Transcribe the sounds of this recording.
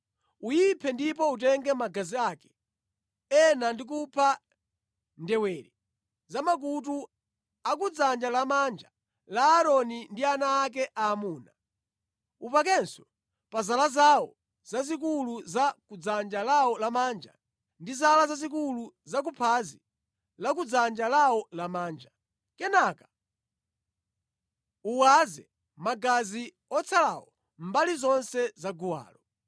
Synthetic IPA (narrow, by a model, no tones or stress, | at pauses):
ujipʰɛndipɔut̬ɛŋɡɛmaɡaziaːkɛ̥ | ɛnandik̬upʰa | ndɛwɛːɾi | zamak̬ut̬u | ak̬ud͡zand͡ʒalamand͡ʒa | laːɾɔnindianaːk̬ɛʔaːmuːna | upak̬ɛnsɔ̥ | pazalazaɔ | z̥azik̬uluzakud͡zand͡ʒalaɔlamaːnd͡ʒa̰ | ndizalazazik̬ulu | zak̬upʰazi | lak̬ud͡zand͡ʒalawɔlamaːnd͡ʒa | kɛnakḁ | uwazɛ | maɡazi | ɔt͡sʰala̰wɔ | m̩balizɔnsɛzaɡuwa̰ːlɔ